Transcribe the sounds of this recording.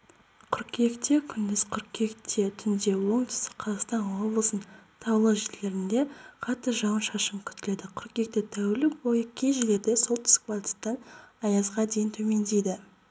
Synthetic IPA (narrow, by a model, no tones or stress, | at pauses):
qʰʏɾkʲe̞kt̪e̞kʲʰʏnd̪ɪzqʰʏɾkʲe̞kt̪ʰe̞t̪ʰʏnd̪e̞wo̞ɴt̪ʰɪ̥st̪ɪ̥qʰɑzɑq̪st̪ɑnwo̞blˠəsənt̪ʰɑwlˠəʒele̞ɾɪnd̪e̞qʰɑt̪ːəʒɑwənʃɑʃəmkʲʰʏt̪ɪle̞d̪ɪqʰʏɾkʲe̞k̚t̪et̪ʰæwɪlɪkbo̞jəkʲʰe̞jʒele̞ɾd̪eso̞lˠt̪ʰɪ̥skvalʲt̪i̥t̪ːɑnɑjɑzʁɑd̪ejɪnt̪ʰɵme̞nd̪e̞jd̪ɪ